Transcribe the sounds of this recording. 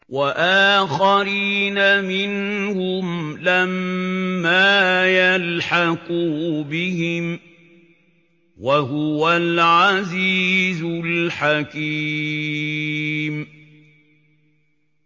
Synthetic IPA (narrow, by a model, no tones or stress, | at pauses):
wʔaʔaːxaɾiːnamɪnhʊmlamː | aːjalħakubɪhɪm | waɦʊwalʕaziːzʊlħaki | m